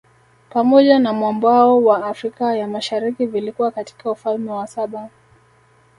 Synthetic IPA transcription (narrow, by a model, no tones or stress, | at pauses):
pamɔʄanamwambwaɔwaːfɾikajamaʃaɾikivilikuwakati̥kaufalmɛwasaɓa